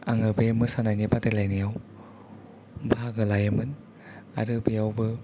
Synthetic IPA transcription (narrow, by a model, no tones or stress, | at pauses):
a̰ŋɯbemɯsanajnibatalajnijaw | bʱaɡɯlajɯmɯn | a̰ɾɯbijawbɯ